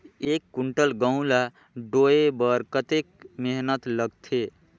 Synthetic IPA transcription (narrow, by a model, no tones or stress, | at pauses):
ekːuɳʈəlɡə̃ʊ̃la | ɖoebəɾkət̪ekmeɦnət̪ləɡt̪ʰe